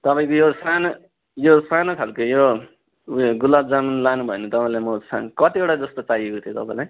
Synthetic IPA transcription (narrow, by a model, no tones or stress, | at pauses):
t̪ʌpaĩkojosanʌ | josanʌkʰalkojo | ɡulab̚d͡zamanlanubʱʌenʌt̪ʌpaĩlajmʌsa̰kʌt̪ieʈad͡zʌst̪ot͡saɦiekot̪ʰjot̪ʌpãĩlaj